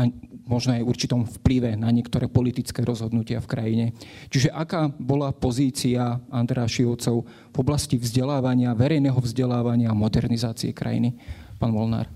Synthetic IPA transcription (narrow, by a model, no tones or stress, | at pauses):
amɔʒnɔajuɾt͡ʃit̪ɔmfpliʋɛnaɲɪɛk̚t̪ɔɾɛːpɔlit̪it͡skɛːɾɔzɦɔd̪nucɪafkɾajiɲɛ | t͡ʃiʒɛʔakaːbɔlapɔziːt͡siaand̪ɾɛaʃiɔʊt͡sɔʊ | vɔblascivzɟɛlaːʋaɲɪaʋɛɾɛjnɛːɦɔvzɟɛlaːʋaɲɪaːmɔd̪ɛɾnizaːt͡siɛkɾa̰jḭnipaːnʋɔlna̰ːɾ